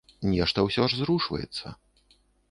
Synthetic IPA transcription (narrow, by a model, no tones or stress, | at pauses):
nʲɛʂt̪ɐwsʲɔʐzɾuʂvɐ̰jɛ̰t̪sːɐ̰